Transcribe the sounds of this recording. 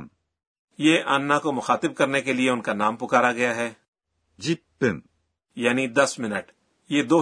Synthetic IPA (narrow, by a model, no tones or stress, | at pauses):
m | jeːʔaːnːakomʊxaːt̪ɪb̚kɐɾnekelɪeʊnkanaːmpʊkaːɾaɡɐjaɦɛː | d͡ʒipːɪm | jaːnid̪ɐsmɪnəʈ | jeːd̪oː